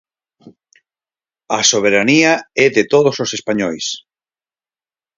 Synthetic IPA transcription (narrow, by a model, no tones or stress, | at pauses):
ɐsoβ̞eɾaniaɛðet̪oðososespaɲɔjs